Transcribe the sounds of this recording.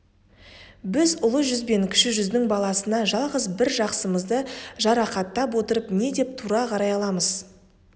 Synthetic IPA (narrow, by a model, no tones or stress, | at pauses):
bɪzʊlˠəʒʏzbe̞ŋkʲʰɪ̥ʃɪʒʏzd̪ɪŋbɑlˠɑsənɑʒɑlˠʁəzbɪɾʒɑqsəməzd̪əʒɑɾɑqɑt̪ːɑpwo̞t̪əɾəpne̞d̪e̞p̚t̪ʰuɾɑqʰɑɾɑjɑlˠɑməz̥